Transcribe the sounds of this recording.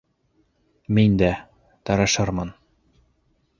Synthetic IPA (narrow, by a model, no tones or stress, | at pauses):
mind̪æ | t̪ɑɾɑʃɑɾmɤn